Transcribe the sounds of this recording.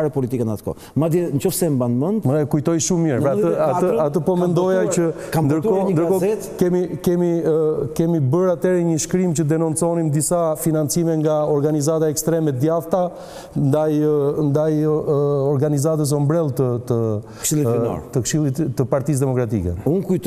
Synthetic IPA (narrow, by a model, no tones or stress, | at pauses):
ɾɛpɔlit̪ikɛnat̪kɔ̰ | mad̪int͡ʃɔfsɛmbanmənɛkujt̪ɔjʃummiɾɛəat̪əat̪əpɔmɛnd̪ɔjaə | knd̪əɾt̪kɔnd̪əɾkɔɛt̪kɛmikɛmikɛmibəɾat̪ɛɾɛɲəʃkɾimt͡ɕəd̪ɛnunt͡sɔnimd̪isafinant͡simɛŋɡaɔɾɡanizat̪aɛkst̪ɾɛmɛd̪jaft̪a | nd̪ajnd̪aj | ɔɾɡanizat̪əs̬ɔmbɾɛlˠt̪ət̪ə | ʃilˠit̪ɔ̰ɾt̪əkʃilit̪əpaɾt̪is̬d̪ɛmɔkɾat̪ḭkɛ̰unkujt̪